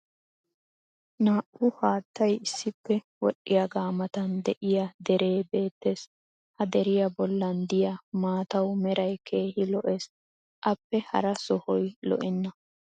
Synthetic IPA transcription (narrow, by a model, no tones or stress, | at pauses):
naːʔʊhaːt̪ːɐjɪsːɪpːɛ | wɔɗɪjɐɡaːmɐt̪ɐnd̪ɛʔɪjɐd̪ɛɾe̞ːbe̞ːt̪ːe̞ːs | hɐd̪ɛɾɪjɐbɔlːɐnd̪ɪjɐmaːt̪ɐwmɛɾɐjkʰe̞ːhɪlɔʔes | ʔɐpːɛhɐ̰ɾɐsɔhɔjlɔ̰ʔɪnːɐ